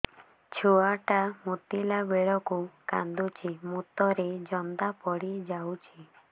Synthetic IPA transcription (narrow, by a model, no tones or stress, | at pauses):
t͡ʃʰuaʈamut̪ilabeɭɔkuka̰nd̪ut͡ʃʰimut̪ɔɾed͡ʒɔnd̪apɔɽid͡ʒawt͡ʃʰi